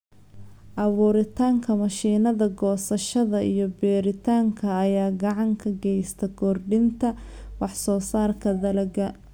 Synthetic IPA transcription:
ʔɐβuːɾɪt̪ʰaːŋkʰɐmɐʃiːnɐðɐɡɔːsɐʃɐðɐijɞbɛːɾɪt̪ʰaːŋkʰɐːjaːɡɑʕɑŋkʰɐɡɛjst̪ʰɐkʰɔrɖɪnt̪ʰɐwɑħsɔːsaːrkʰɐðɐlɐɡɐ

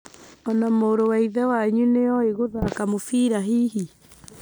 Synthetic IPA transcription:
ɔnamoːɾowaiðɛwaɲuneɔeɣoðakamofiːɾaɦiːɦi

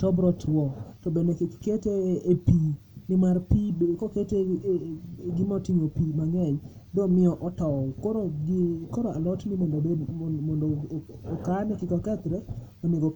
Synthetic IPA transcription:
tɔbɾɔtʰwɔtɔbendekkketeːpi | nɪmarpikokete | ɡɪmɔtiɲopimaŋɛɲ | dɔmɪɔʔɔtɔkoɾkɔɾoalɔtnɪmɔndobemɔndoːkanɛkɪkɔkɛt̪ɾɛ | ɔneɡo

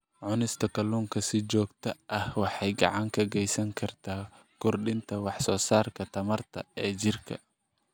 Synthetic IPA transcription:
ʕʊnɪst̪ʰɐkʰɐluːŋkʰɐsɪt͡ʃɔːɡt̪ʰɐʔɐhwɑħɑjɡɑ̰ʕɑŋkʰɐɡɛjsɐŋkʰɐrt̪ʰaː | kʰʊrɖɪnt̪ʰɐwɑħsɔːsaːrkʰɐt̪ʰɐmɐrt̪ʰɐ̰ɛːt͡ʃɪrkʰɐ̰

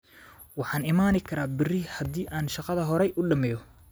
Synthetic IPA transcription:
wɑħɑːnɪmaːnɪkʰɐɾaːbɪrɪhɐd̪iːʔaːnʃɑqɑðɐɦɔɾɛjʔʊɖɐmɛjɔ

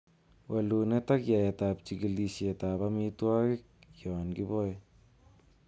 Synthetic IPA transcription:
welunetakjaetap̚t͡ʃiɡilisetaβamitwakik̚jonɡiboj

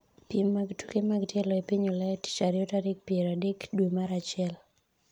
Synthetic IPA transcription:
pjemːaɡtukemaɡtjɛlɔepiɲolɛti̥t͡ʃaɾɪɔtadek̚pieɾadekdwomaɾat͡ʃɪɛl

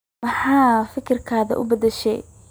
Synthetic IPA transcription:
mɑħɑːfɪkʰɪrkʰaːðɐ̰ʔʊ̰bɐd̪ɛʃɛ̰j

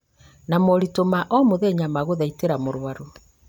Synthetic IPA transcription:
namɔɾitomaʔɔmoðɛɲamaɣoðaiteɾamoɾwaɾo

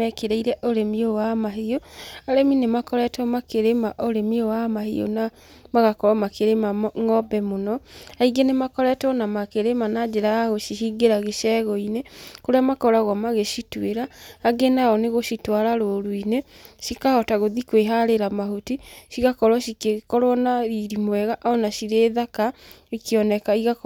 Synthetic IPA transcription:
ɛkeɾeiɾɛʔoɾemiowamaɦeoaɾeminemakɔɾɛtɔmakeɾemaʔoɾemiowamahḛo̰na | maɣakɔɾamakʰeɾemaŋɔbɛmonɔaiɡenemakɔɾɛtɔnamakeɾemanad͡ʒeɾaaɣoʃiɦiɡeɾaɣeʃɛɣɔinekoɾeamakɔɾaɣwɔmaɣeʃitweɾaːɡenaɔneɣoʃitwaɾaɾoɾuineʃikahɔtaɣoðikweɦaɾeɾamaɦotiʃiɣakɔɾwɔʃikekɔɾwɔnaɾiɾimwɛɣaʔɔnaʃiɾeːðaka | ikeɔnɛkaiɣa

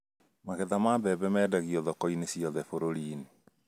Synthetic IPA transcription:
maɣɛðamabɛβɛmɛːdaɣiɔðɔkɔinesiɔðɛfoɾoɾiːne

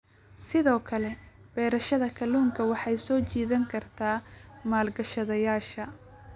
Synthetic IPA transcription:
sɪðɔːkʰɐlɛb̥ɛːɾɐʃɐðɐkʰɐluːŋkʰɐwɑħɑjsɔːt͡ʃiːðɐŋkʰɐrt̪ʰaːmaːlɡɐʃɐðɐjaːʃɐ

